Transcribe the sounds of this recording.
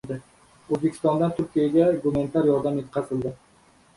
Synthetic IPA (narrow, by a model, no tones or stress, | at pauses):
d̪ɪ | ozbekʰʲɪ̥st̪ɒnd̪ant̪ʰʊɾkʲijaɡʲaɡʊmenɪt̪ʰaɾjɒɾd̪amjet̪̚qʰɑsɪlˠd̪ɪ